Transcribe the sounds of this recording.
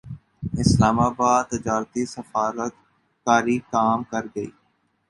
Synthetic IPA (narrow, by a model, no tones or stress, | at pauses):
ɪslaːmaːbaːd̪̚t̪ɪd͡ʒaːɾt̪isəfaːɾət̪ | kaːɾikaːmkɐɾɡɐḭː